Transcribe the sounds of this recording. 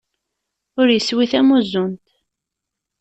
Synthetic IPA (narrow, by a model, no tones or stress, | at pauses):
ʊɾjəswiθæmuzʊnt̪